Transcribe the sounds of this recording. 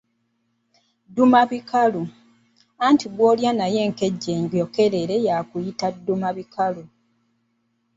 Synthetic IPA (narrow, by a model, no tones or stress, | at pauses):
dumaβikalu | antiɡwoːljanaje̞ŋke̞ɟːeːɲɟoke̞le̞ɾejaːkujitadːumaβikʰalu